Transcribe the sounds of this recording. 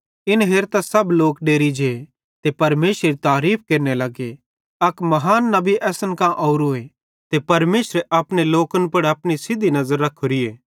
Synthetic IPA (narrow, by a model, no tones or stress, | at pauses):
ɪnɦeːɾt̪asɐbloːkɖeːɾid͡ʒe | t̪epɐɾmeːsɾeɾit̪aːɾiːp̚ʰkeːɾnelɐɡe | ɐkmɐɦaːnːɐbʱiʔɛːsənkãʔoːɾoːe | t̪epɐɾmeːsɾeʔɐpɽ̃eloːkənpɐɽɐpɽ̃isɪd̪ʱinɐzəɾːɐkʰːoɾieː